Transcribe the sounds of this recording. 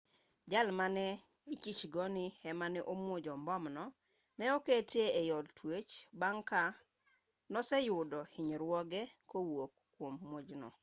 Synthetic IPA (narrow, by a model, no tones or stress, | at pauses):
d͡ʒalmanɛ | ikit͡ʃɡɔnɪɛmanɛʔomwod͡ʒɔmbɔmnɔ | nɛoketeːjɔltʰwet͡ʃbaŋka | nɔsɛjʊdɔhɪɲɾwɔɡɛkowokː | womːod͡ʒnɔ̰